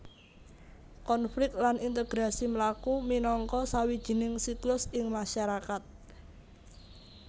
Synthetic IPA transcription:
kɔnflɪk̚t̪̚lanint̪əɡ̥ɾasiməlakuminɔŋkɔsawid̥ʒ̥i̤nɪŋsiklʊsɪŋmaʃaɾakat̪̚

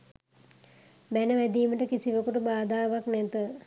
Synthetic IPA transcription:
bænəʋæd̪iːməʈəkisiʋəkuʈəbaːd̪aːʋaknɛt̪ə

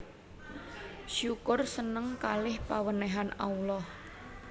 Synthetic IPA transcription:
ʃukʊrsənəŋkalɪhpawənɛɦana̰ulɔh

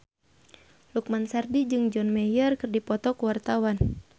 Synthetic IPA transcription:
luk̚mansardid͡ʒɨŋd͡ʒɔnmɛjərkɨrdipɔt̪ɔkuwart̪awan

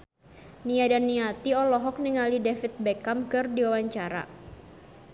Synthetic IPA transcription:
niadanːiat̪iɔlɔɦɔk̚niŋalidefit̪̚bɛkamkɨrdiwawaɲt͡ʃaɾa̰

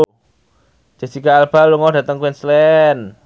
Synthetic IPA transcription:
d͡ʒ̥a̤sikaːlb̥a̤luŋɔd̥ä̤t̪əŋkwɛnslɛn

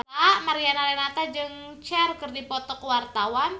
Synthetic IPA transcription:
amaɾianalɛnat̪ad͡ʒɨŋt͡ʃɛrkərdipɔt̪ɔkəwart̪awan

